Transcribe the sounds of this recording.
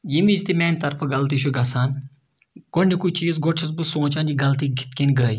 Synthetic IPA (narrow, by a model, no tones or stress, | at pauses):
jimisʲt̪imʲeːnʲt̪ɐɾpʰɐɡɐlt̪iʃʰuɡɐsaːn | konikut͡ʃiːzɡoʈʰis̬bɨsõːt͡ʃaːniɡɐlt̪iːɡʱit̪kenɡəːj